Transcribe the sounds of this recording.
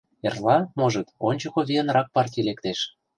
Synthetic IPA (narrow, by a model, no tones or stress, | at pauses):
erlɑmoʒə̆t̪onʲt͡ɕɤ̆koβʲeə̆nrɑk̚pɑrtʲilekt̪eʃ